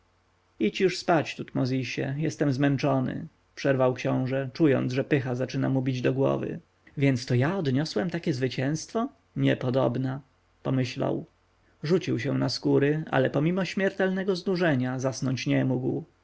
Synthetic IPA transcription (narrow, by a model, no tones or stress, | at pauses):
it͡ɕjuʂspat͡ɕt̪ut̪mɔzʲiɕɛ̰jɛst̪ɛmzmɛnt͡ʂɔnɘ̰ | pʂɛɾvawkɕɔ̃w̃ʐɛt͡ʂujɔ̰nd̪zʐɛpɘxazat͡ʂɘnamubʲid͡ʑd̪ɔɡwɔ̰vɘ̰ | vʲjɛnt̪st̪ɔjaɔd̪ɲɔswɛmt̪akʲɛzvɘt͡ɕɛ̃w̃st̪fɔ | ɲɛpɔd̪ɔ̰bna | pɔmɘɕla̰w | ʐut͡ɕiwɕɛ̃naskuɾɘa̰lɛpɔmʲimɔɕmʲjɛɾt̪ɛlnɛɡɔznuʐɛɲazasnɔɲt͡ɕɲɛmuɡw